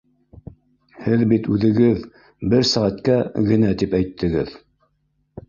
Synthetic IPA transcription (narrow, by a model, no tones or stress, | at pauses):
hɘðbit̪ʉðɘ̆ɡɘð | bɘɾsæʁæt̪kæɡɘ̆næt̪ipæjt̪ʰːɘ̆ɡɘð